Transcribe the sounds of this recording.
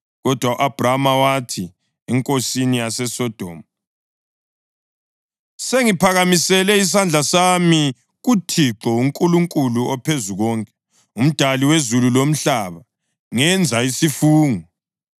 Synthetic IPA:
ɣɔd̥ʱwauʔab̥ramawatʰi | ɛŋkʼosinijasɛsɔd̥ʱɔ̰ːmu | seŋipʰaɣamisɛlɛis̬and͡ɮʱasami | ɣutʰiǁɔuŋkʼuluŋkʼuluɔpʰezuɣɔŋkʼɛ | um̩d̥ʱaliwezululom̩ɬaβa | ŋɛnd͡zʱaisifuːŋɔ

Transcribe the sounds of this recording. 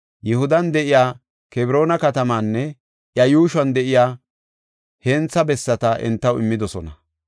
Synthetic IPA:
jɛhʊd̪ɐnd̪ɛʔɪjaː | kɛbɾo̞ːnɐkɐt̪ɐmaːnːɛ | ʔjɐjuːʃwɐnd̪ɛʔɪjaː | heːnt͡sːɐbɛsːɐt̪ɐʔɛ̰nt̪ːɐwɪ̰mːɪd̪ɔsɔnɐ

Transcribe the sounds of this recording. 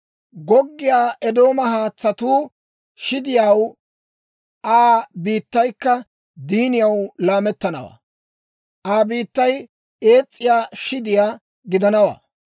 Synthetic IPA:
ɡɔɡːɪjaːʔɛd̪o̞ːmɐhaːt͡sːɐt̪uː | ʃɪd̪ɪjaw | ʔaːbiːt̪ːɐjkːɐ | d̪iːnɪjɐwlaːmɛt̪ːɐnɐ̰wa̰ː | ʔaːbiːt̪ːɐj | e̞ːt͡sʼːɪjaːʃɪd̪ɪjaː | ɡɪd̪ɐnɐwa̰ː

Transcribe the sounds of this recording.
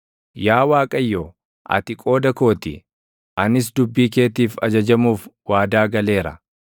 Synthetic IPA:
jaːwaːkʼɐjːoː | ʔɐ̰t̪ɪkʼo̞ːd̪ɐko̞ːt̪ɪ̰ | ʔɐnɪs̬d̪ʊbːiːke̞ːt̪iːfɐ̰d͡ʒɐd͡ʒɐmuːfwaːd̪aːɡɐle̞ːɾɐ̰

